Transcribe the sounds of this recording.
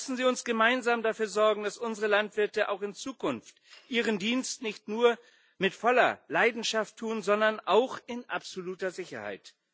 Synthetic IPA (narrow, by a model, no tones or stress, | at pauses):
sn̩ziːʊnsɡ̥əmaɪnzaːmdafyːɐzɔɐɡŋ̩d̥asʔʊnzəʁəlantv̥ɪɐtəʔa̰ʊxɪnt͡suːkʰʊnftʔiːʁəndiːnstnɪçtnuːɐ | mɪtfɔlɐ̰laɪdn̩ʃaftʰːuːnzɔndɐnʔaʊxɪnʔapz̥oluːtɐzɪçɐ̰ha̰ɪt